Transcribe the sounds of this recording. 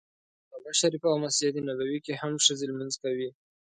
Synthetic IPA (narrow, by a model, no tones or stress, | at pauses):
alaʃaɾifaawmasijat̪inabawikehamʂəzeləmanzkawi